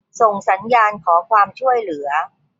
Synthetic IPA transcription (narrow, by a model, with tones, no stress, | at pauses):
so˨˩ŋsa˩˦njaː˧nkʰɔː˩˦kʰwaː˧mt͡ɕʰu˥˩əjlɯ˩˦ɐ